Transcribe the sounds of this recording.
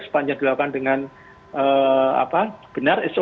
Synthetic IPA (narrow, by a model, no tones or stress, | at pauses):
sə̥paɲd͡ʒaŋd̥̪ilakkandəŋan | əa̰pab̥ənariso